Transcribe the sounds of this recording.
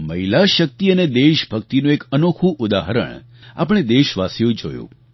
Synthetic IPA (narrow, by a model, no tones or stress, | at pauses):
məɦilaʃək̚t̪iəned̪eʃbʱəkt̪inũekənokʰũʔʊd̪aɦəɾə̰ɳ | a̰pɳ̃ed̪eʃʋasjũd͡ʒo̰jṵ̃